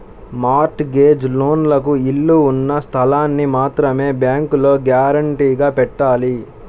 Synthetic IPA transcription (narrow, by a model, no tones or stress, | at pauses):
maːɾʈɡe̞ːd͡ʒloːnlɐk̬uiɭːuːnːɐst̪ʰɐlaːnːimaːt̪ɾɐme̞ːbjaːŋkulo̞ːɡjaːɾɐɳʈiːɡaːpɛʈːaːli